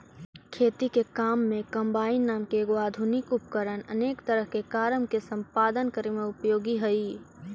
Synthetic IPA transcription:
kʰeːt̪ikekaːmːẽkəmbaːinːaːmkeːɡoaːd̪ʱunɪkʊp̚kəɾənə̰neːkt̪əɾəɦkekaːɾəmkesə̃mpaːd̪ənkəɾemẽʊpjoːɡiɦəi

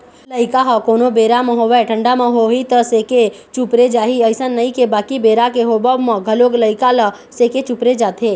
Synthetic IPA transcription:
ləɪkaɦəkoːnobeːɾamə̃ɦoʋɛʈʰə̃ɳɖamə̃ɦoit̪əseːke | t͡ʃupɾed͡ʒaːɦiəɪsənnːəikebaːkibeːɾakeɦobəmə̃ɡʱəloːɡləɪkalə | seːket͡ʃupɾed͡ʒaːt̪ʰeː

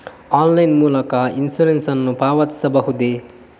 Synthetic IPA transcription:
aːnlɐjnmuːlɐkɐinsulensɐnːupaːʋɐt̪sɐbɐɦud̪e

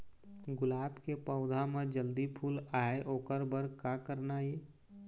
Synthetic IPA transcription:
ɡʊlaːbkepəʊd̪ʱamẽd͡ʒəld̪ipʰuːlaːeʔoːkəɾbəɾkakəɾnajeː

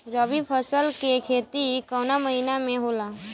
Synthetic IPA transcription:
ɾəʋipʰəsəlkekʰeːt̪ikɔːnaməɦinamẽɦoːlaː

